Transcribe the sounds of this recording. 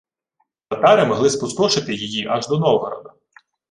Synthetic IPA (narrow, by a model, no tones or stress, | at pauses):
t̪ɐt̪ɑɾɪmɔɦlˠɪspʊst̪ɔʃɪt̪ɪjijiʔɐʒd̪ɔnɔwɦɔɾɔ̰d̪ʊ